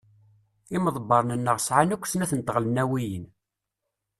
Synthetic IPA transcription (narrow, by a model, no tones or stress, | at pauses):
iməðˤbːɑɾˤnənːəʁsʕanækʷːsnæθənt̪əʁlənːæwijən